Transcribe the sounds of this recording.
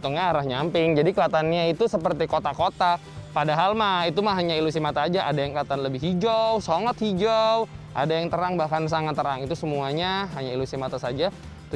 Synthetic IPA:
t̪uŋɡaːɾahɲampɪŋd͡ʒadikəlat̪anɲait̪usəpərt̪ikot̪akot̪a | padaɦalmait̪umaɦaɲailus̬imat̪aːd͡ʒaʔadajaŋkəlat̪anləbɪɦid͡ʒowsoŋət̪hid͡ʒawʔa̰dajaŋt̪əɾaŋbahkans̬aŋat̪ːəɾaŋit̪usəmuaɲaɦaɲailusimat̪asad͡ʒa

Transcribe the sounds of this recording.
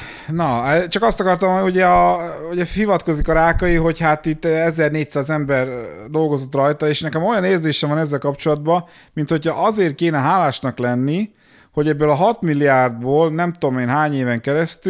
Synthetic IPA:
nɒt͡ʃɒkɒst̪ɒkɒrt̪ɒmnuɟɛɒuɟɛhivɒt̪ko̞zikɒɾaːkɒjiɦo̞chat̪it̪ːɛzɛrneːc̚saːzɛmbɛrd̪o̞lɡo̞zo̞t̪rɒjt̪ɒeːʃnɛkɛmo̞jɒneːrzeːʃɛmvɒnɛzːɛlkɒpt͡ʃo̞lɒd̪bɒ | mint̪ho̞chɒʔɒzeːrkeːnɛɦaːlaːʃnɒklɛnːi | ho̞ɟɛbːøːlɒɦɒt̪milːiaːrd̪̚boːlnɛmt̪oomeːnɦaːɲeːvɛŋkɛɾɛst̪y

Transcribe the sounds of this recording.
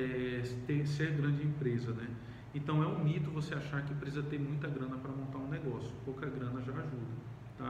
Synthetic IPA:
ɛt̪ẽseɾɡɾɐ̃d͡ʒɪẽpɾezɐnɛ | ẽnt̪ɐ̃w̃ɛũmit̪ʊvoseaʃaɾkɪɐẽpɾezɐt̪ẽj̃mũj̃t̪ɐɡɾɐ̃nɐpɾɐmõnt̪aɾũnɛɡɔsjʊ̥powkɐɡɾɐ̃nɐʒaaʒud̪ɐ | t̪a

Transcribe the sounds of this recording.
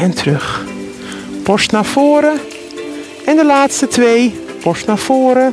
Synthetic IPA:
ɛntʰrɵx | pɔstnaːfoːəɾə | ʔɛndəlaːtstətʰʋejpɔstnaːfoːɾə

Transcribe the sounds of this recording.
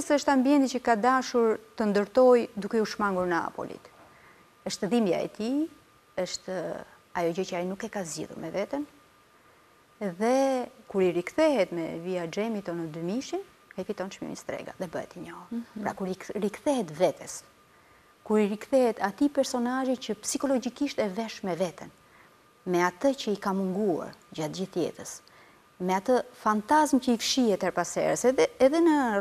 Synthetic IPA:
əsəʃt̪ambiɛnt̪icəkad̪aʃuɾt̪ənd̪əɾt̪ɔjd̪ukɛuʃmaŋɡuɾnəa̰pɔ̰lḭt̪ | əʃt̪ðimbja̰ɛ̰t̪i | əʃt̪ | ajɔɟəcəainukɛkazɟḭðṵɾmɛvɛt̪ən | ðɛkuɾiɾikθɛɦɛt̪mɛ̰viad͡ʒɛmit̪ɔnəd̪ymiʃin | kaifit̪ɔnʃmḭmḭst̪ɾɛ̰ɡa̰ðɛbəhɛ̰t̪iɲɔhuɾpɾa̰kuɾiɾikθɛɦɛt̪vɛt̪ʰɛs | kuɾiɾikθɛhɛt̪at̪ipɛɾsɔnaʒicəpsikɔlɔd͡ʑikiʃt̪ɛvɛʃmɛvɛt̪ən | mɛat̪əcəikamuŋɡua̰ɾd͡ʑat̪̚d͡ʑiθt̪jɛ̰t̪əs | mɛat̪əfant̪azmcəifʃiɛt̪ɛɾpasɛ̰ɾəsɛɛðɛnə

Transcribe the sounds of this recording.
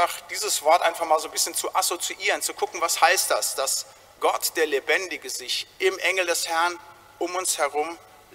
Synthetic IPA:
aχd̥iːzəsv̥ɔɐtʔaɪnfaχmaːlzoːnbɪsçənt͡suʔasot͡siʔiːʁənt͡sukʰʊkŋ̩vashaɪst̚d̥a̰sd̥as | ɡ̥ɔtd̥eːɐlebɛndɪɡəzɪçʔɪmʔɛŋl̩dɛshɛɐn | ʊmʊnshɛɐʁ̞ʊm

